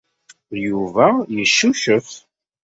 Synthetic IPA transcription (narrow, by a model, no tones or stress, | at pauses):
juvæjəʃːuʃəf